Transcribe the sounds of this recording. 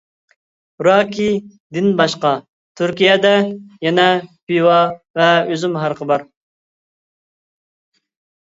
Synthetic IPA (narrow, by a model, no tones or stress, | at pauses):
ɾɑkʲʰid̪ɪnbɑʃqɑ | t̪ʰyɾkʲijɛd̪ɛjɛnɛbiwɑvɛøzymɦɑɾqʰəbɑɾ